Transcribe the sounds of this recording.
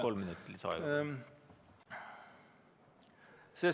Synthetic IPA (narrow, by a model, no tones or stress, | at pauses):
ɔlmɪnʉt̪ːlɪsɑ̰ | sɛ